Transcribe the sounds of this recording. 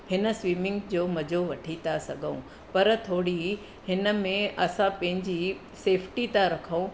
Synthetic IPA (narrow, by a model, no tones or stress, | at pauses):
hɪnə̆sʋiːmɪ̃ŋɡd͡ʑoːmɐd͡ʑʱoʋɐʈʰit̪ʰasɐɡʱəũ | pɐɾt̪ʰoːɽi | hɪnə̆mẽʔɐsãpɐ̃ɦɪ̃ɲd͡ʑi | seːpʰʈit̪ʰaɾɐkʰaũ